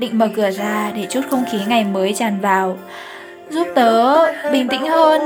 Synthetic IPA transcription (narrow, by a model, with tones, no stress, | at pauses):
ɗḭ˧˨ŋ̟məː˨˩kɨ˧˩əzaː˧ɗe˧˩t͡ɕu˦˥t̚xə˧wŋ͡mxi˨˦ŋa˨˩jməː˨˦jt͡ɕaː˨˩nvaː˨˩w | zu˦˥p̚t̪əː˨˦ɓï˨˩ŋ̟t̪ḭ˧˥ŋ̟həː˧n